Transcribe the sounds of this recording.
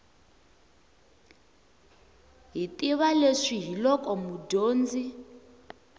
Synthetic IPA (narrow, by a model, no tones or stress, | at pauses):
ɦitʼiβaleʂiɦilɔkʼɔmudoːnd͡zi